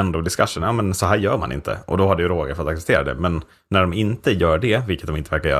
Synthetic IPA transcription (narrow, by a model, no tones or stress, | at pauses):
ɛnd̪oːd̪ɪskaʂːənjaːmɛnsɔɦæːɾjœːɾma̰nʔɪ̰nt̪ʰə̰ʔɔ̰d̪ɔhaɖɛjəɾoːɡəɾfœɾat̪aksɛpt̪eːɾad̪ɛ̰mɛnː | æɖɔmɪnt̪əjœːɖɛvɪlkət̪̚ɔmɪnt̪əvæɾkaɾjœ̰ː